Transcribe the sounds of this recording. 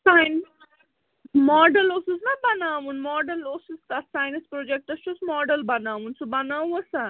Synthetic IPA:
sajn | mɔːɖəlosusnɐbɐnaːʋunmɔːɖəlosust̪asaːjnispɾoːd͡ʒek̚ʈɐst͡ʃʰusmɔːɖəlbɐnaːʋunsubɐnaːwɐsa

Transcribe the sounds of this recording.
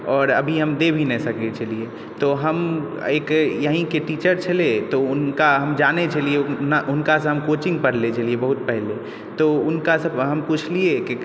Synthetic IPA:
ɔːɾə̰bʱiɦəmd̪ebʱinesəket͡ʃəlie | t̪oɦəm | eːkjəɦĩkeʈiːt͡ʃəɾt͡ʃʰəlet̪oʊnkaɦəmd͡ʒaːnet͡ʃəlienaʔʊnkasɐ̃ɦəmkot͡ʃɪ̃ŋɡ̚pəɾlet͡ʃəliebəɦut̪̚pɛɦle | t̪oʊnkasə̃bɦəmput͡ʃʰlieke

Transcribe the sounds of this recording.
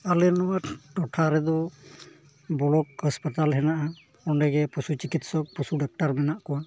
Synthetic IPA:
alɛnɔwaʈɔʈʰaɾɛd̪ɔ | bɔlɔk̚həspat̪alɦɛnaʔa | ɔɳɖɛɡɛpusut͡ʃikit̪sɔk̚pusuɖak̚ʈaɾmɛnaʔkɔwa

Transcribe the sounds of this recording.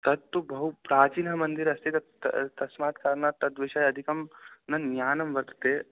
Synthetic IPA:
t̪ɐt̪ːubɐɦupɾaːt͡ʃiːnɦɐmɐ̃nd̪iɾɐst̪it̪ɐ | t̪ɐsmaːt̪kaːɾnaːt̪ːɐt̪ʋeʃajɐd̪ʱikɐmnɐnjaːnɐmʋɐɾt̪t̪eː

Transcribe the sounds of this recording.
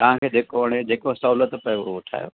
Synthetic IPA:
t̪ɐʋ̤ãkʰeːd͡ʑeːkoɐɽ̃ed͡ʑeːkosɐɦuːlət̪pɐʋoʊʈʰa̰ːjo̰ː

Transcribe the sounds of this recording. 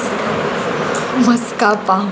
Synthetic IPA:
mɐskapã

